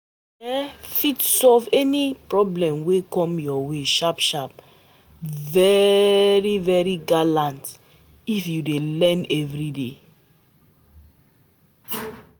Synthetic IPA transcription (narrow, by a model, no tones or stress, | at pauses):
ɛfitsɔlvɛnipɹɔblɛ̃mwekɔ̃mjɔweʃapʃap̚ | vɛɹivɛɹiɡalãnt | ifjudelɛ̃nɛvɹidḛ